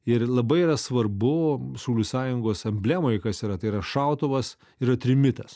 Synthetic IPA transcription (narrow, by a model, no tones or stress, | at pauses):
ɪɾlˠɐbɐɪiɾɐsʋɐrbʊsuʊlʲuːsɑːjʊŋɡoːsɐmʲbʲlʲæmoːjkɐsiːɾɐt̪ɐɪiɾɐʃɑˑʊt̪oʋɐs | ɪɾɐt̪ʲɾʲɪmʲɪt̪ɐs